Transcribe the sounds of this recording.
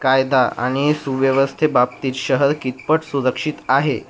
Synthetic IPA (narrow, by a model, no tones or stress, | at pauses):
kajd̪aʔa̰ɽ̃isuʋjəʋəst̪ʰebap̚t̪iːt̪ɕəɦəɾkit̪̚pəʈsuɾəkʂit̪aɦe